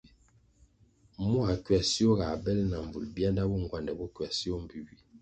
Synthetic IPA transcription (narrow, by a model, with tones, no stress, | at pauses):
mu˦a˨kɥa˨si˦o˦ɣa˨bɛ˦lna˨ɱ˨vṵ˨lbi˦a˦nda˦bu˦ŋ˨ɡwa˨ndɛ˨bu˦kwa˨si˦o˦m˦bi˨bi˦